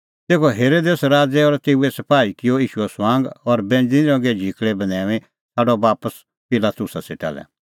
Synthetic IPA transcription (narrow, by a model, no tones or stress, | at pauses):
t̪eːkʰɔɦeːɾoːd̪eːsɾaːd͡zɛɔɾt̪eːuɛsɐpaːikɪjɔiːʃuɛsʋãːŋɡɔɾbɛ̃ːnd͡zĩɾɔ̃ːɡɛd͡ʒʱikʰɭɛbɐnɛːʋẽ | sʰaːɖɔbaːpəs | pɪlaːt̪ʊsaseʈa̰ːlɛ̰